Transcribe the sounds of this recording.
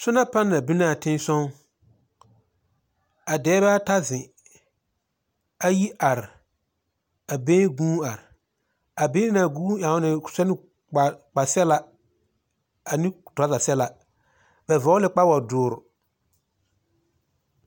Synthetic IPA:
sʊ˦na˦pa˦nːa˨bi˦na˦˨tɪ̃˦n˦sɔ̃˦ŋ | a˨dɛː˨˦ba˦ta˦zɪ̃˨ | a˨ji˦ʔa˨ɾɪ˨ | a˨bẽː˦ɡuː˦a˨ɾɪ˨ | a˨be˦na˨ɡũː˦ã˨˦nɪ˨sɛ˦nɪ˦ | k͡pa˨k͡pa˨sɛ˦la˦ | a˨nĩ˦ta˨˦za˨sɛ˦la˨ | bɛ˨vɔ˨˦lɪ˦k͡pa˦wa˨dʊː˨ɾʊ˨

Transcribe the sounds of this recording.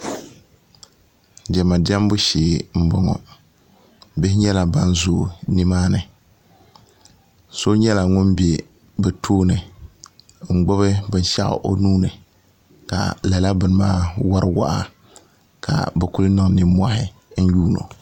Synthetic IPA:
d͡ʒɛ˨ma˨dɛ˦mbʊ˦ʃeː˨m̩˨bɔ˨ŋɔ̰˨ | bɪ˦hɪ˦ɲɛ˦la˨ba˦n˦zoː˨nɪ˦maː˦nɨ˨ | so˦ɲɛ˦la˨ŋʊ˦mbe˨ | bɛ˨tʰoː˦nɨ˨ | ŋ͡m̩˨ɡ͡bʊ˦βɨ˦bɨ˨n˦ʃa˦ʔa̰˨ʔo˦nuː˦nɨ˨ | ka̰˨la˨la˦bɨ˨n˨maː˦wa˦ɾɨ˦wa̰˦ʔa˨ | kʰa̰˨bɛ˨ku˦lɨ˦nɔ˦˨ŋ˨nɪ˦mʷ˦a˦ɦɪ˨n̩˦juː˦no̰˨

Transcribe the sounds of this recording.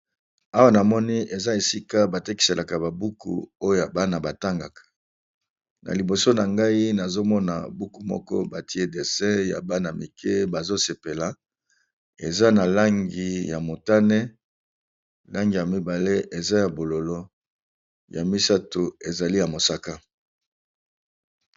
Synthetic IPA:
a˦wa˦na˨mɔ˦ni˦e˨za˦e˨si˦ka˦ba˨te˦ki̥˨se˨lʔa˨ka˨ba˨bu˦kṵ˨o˦jo˦˨ja˨ba˦na˨ba˨ta˦ŋɡa˨kʰḁ˨ | na̰˨li˨bo˨so˦na˨ŋɡa˦i˦na˨zo˦mɔ˦na̰˨bu˦ku˨mɔ̰˦kɔ̰˦ba˨ti˦e˦de˨se˦ja̰˨ba˦na˨mi˨kʰe˦ba˨zo˦se˨pe˨la˨ | ḛ˨za˦na˨la˦ŋɡi˨ja˨mo˨ta˦nɛ˦ | la˦ŋɡi˨ja˨mi˦ba˨le˦ʔe˨za˦ja˨bo˨lo˨lo˦ | ja̰˨mi˦sa˦to˨e˨za˨li˦ja˨mo˨sa˦ka˦

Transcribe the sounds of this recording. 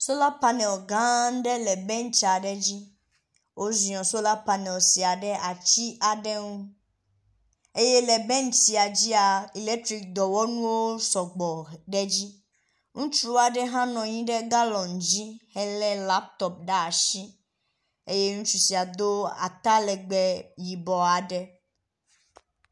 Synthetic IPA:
so˦la˦pa˦nɛ˨ɡã˦ɖɛ˦lɛ˨bɛ˦n˦t͡ʃa˨ɖɛ˦d͡ʑi˦ | wo˦zi˨ɔ̃˨so˦la˦pa˨nɛ˨lsi˨a˨ɖɛ˦a˨t͡ɕi˦ʔa˨ɖɛ˦ŋũ˦ | e˦je˦lɛ˨bɛ˦nsi˨a˨d͡ʑi˦a˨i˨le˦k̚t̪ɾi˦k̚d̪ɔ˨wɔ˦nũ˦wo˦sɔ˨ɡ͡bɔ˨ɖɛ˦d͡ʑi˦ | ŋũ˦t͡ʃɾu˦a˨ɖɛ˦ɦã˦nɔ̃˨ɲĩ˦ɖɛ˦ɡa˦lɔ̃˨n˨d͡ʒi˦hɛ˦lɛ˦la˦p̚t̪ɔ˦p̚ɖa˦a˨ʃi˦ | e˦je˦ŋũ˦t͡ʃu˦si˨a˨d̪o˦a̰˨t̪a˦lɛ˨ɡ͡bɛ˨ji˨bɔ˨a˨ɖɛ˦

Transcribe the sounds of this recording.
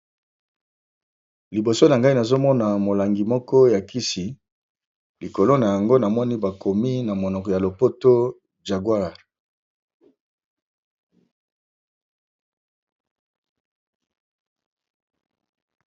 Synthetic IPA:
li˨bo˨so˦na˨ŋɡa˦i˦na˨zo˦mɔ˦na˨mo˨la˨ŋɡi˨mɔ˦kɔ˦ja˨kʰi˦si˨ | li˨ko˨lo˦na˨ja˨ŋɡo˦na˨mɔ˦ni˦ba˨ko˨mi˦na˨mo˨nɔ˨kɔ˨ja˨lo˨po˦to˦ | d͡ʒa˨ɡwa˦˨ʁ

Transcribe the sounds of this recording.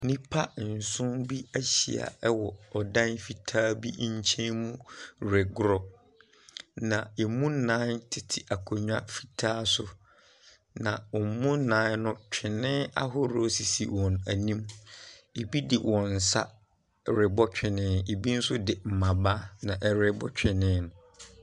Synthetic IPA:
nĩ˦pʰa˦n̩˨sʊ̃˦mbi˦æ˦ɕḭ˨a̰˨ɛ˦wɔ˨ɔ˨dã˦nfi˨tʰaː˦bi˦ɲ̩˦t͡ɕʰɛ̃˦nmũ˦ɾɪ˨ɡʊ˦ɾɔ˨ | nã˨e˨mũ˦nã˦ntʰɪ˨tʰɪ˨ʔa˨kʰo˨ɲᶣã˦fi̥˦˨tʰaː˦sʊ˦ | nã˨ɔ˨m˦mũ˦n̩˦nãː˦nʊ̃˦t͡ɕᶣʰɪ˨nɪ̃˦a̰˦ɦʊ˦ɾo˦si˨sḭ˨wɔ̃˨næ˨nĩ˦m | e˨bi˦dɪ˨wʔɔ̃˨n̩˨sa̰˦ | ɾɪ˨bɔ˦t͡ɕᶣɪ˨nɪ̃˦˨e˨bi˦n̩˦sʊ˦dɪ˨m̩˨mã˨baː˦nã˨ʔɛ˨ɾɪ˨bɔ̰˦t͡ɕᶣɪ˨nɪ̃˦nʊ̃˨

